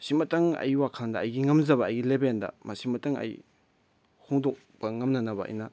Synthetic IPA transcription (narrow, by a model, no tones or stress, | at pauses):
simɐtɐŋɐ̰jwakʰandɐːjɡiŋɐmzɐβɐːjɡilebendɐ̰mɐsimɐtɐŋɐ̰j | hoŋdok̚bɐŋɐmnɐnɐbɐɐ̰jnɐ